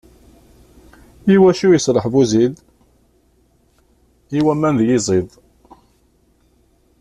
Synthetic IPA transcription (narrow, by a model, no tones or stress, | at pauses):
iwæʃujəsɾˤəħvuzið | iwæmænðjizˤiðˤ